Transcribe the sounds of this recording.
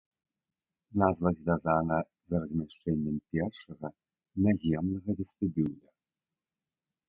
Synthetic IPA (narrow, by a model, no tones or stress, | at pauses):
nazvɐzʲvʲazanɐ | zɐɾɐzʲmʲaʂt͡ʂɛnʲːɐmpʲɛrʂɐɣɐ | nazʲɛmnɐɣɐd̪ɨst̪ɨbʲiwd̪ʲɐ